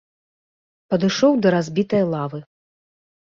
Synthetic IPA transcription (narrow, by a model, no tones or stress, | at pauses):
pɐd̪ɨʂɔwd̪ɐɾazʲbʲit̪ɐjlˠavɨ